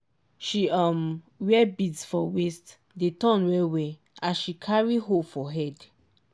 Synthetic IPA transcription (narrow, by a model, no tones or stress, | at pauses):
ʃiɔm | wɛbidsfɔwest | detɔ̃nwɛwe | ãʃikʰaɹiɦofɔɦɛd